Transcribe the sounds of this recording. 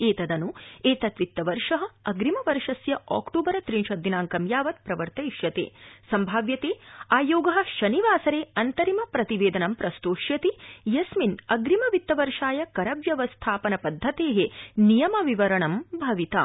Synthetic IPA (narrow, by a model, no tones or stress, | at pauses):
eːt̪ɐd̪ɐnueːt̪ɐt̪ʋit̪ːɐʋɐɾʂɐɦɐɐɡɾimɐʋɐɾʂɐsjɐa̰ːkʈoːbɐɾɐt̪ɾinʃɐd̪ːinaːŋkɐmjaːʋɐt̪̚pɾɐʋɐɾt̪ɐiʃjɐt̪ḛːsɐmbʱaːʋjɐt̪eːaːjoːɡɐɦɐ̆ʃɐniʋaːsɐɾeːɐnt̪ɐɾimɐpɾɐt̪iʋeːd̪ɐnɐmpɾɐst̪oːʂjɐt̪ijɐsminɐɡɾimɐʋit̪ːɐʋɐɾʂaːjɐkɐɾɐʋjɐʋɐst̪ʰaːpɐnɐpɐd̪ʱːɐt̪eːɦenijɐmɐʋiʋɐɾɐɳɐmbʱɐʋit̪ɐ̰